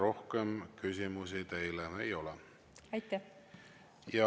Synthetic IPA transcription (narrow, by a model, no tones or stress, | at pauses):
ɾo̞hkemkys̬ʲimus̬it̪e̞jlemejo̞lɛ | ɑjt̪ːæh | jɑ